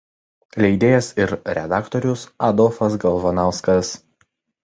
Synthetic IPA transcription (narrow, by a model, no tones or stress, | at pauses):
lʲɛɪd̪ʲeːjɛsɪɾɾʲɛ̰d̪ɑːkt̪ɔɾʲʊsɐd̪ɔlfɐsɡɐlˠʋɔnɑʊskɐs